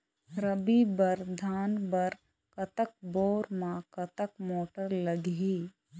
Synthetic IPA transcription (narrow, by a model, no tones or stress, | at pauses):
ɾəbibəɾd̪ʱaːnbəɾ | kɐt̪ək̚boːɾmãkɐt̪əkmoːʈəɾləɡɦiː